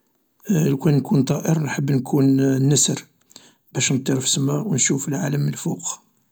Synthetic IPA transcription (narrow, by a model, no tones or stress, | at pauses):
lkænnkunt̪ˤɑʔəɾnħəbːnkʰunnːəsəɾ | bæʃnt̪ˤːiɾfə̥smæwnʃuflʕaləməlfuq